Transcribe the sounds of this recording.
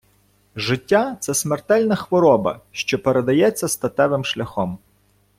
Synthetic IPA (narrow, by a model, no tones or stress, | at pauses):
ʒɪtʲːat̪sɛsmert̪ɛlʲnɐxʋɔɾɔbɐ̰ʃt͡ʃɔpeɾed̪ɐjɛt͡sʲːɐst̪ɐt̪ɛʋɪmʃlʲɐxɔm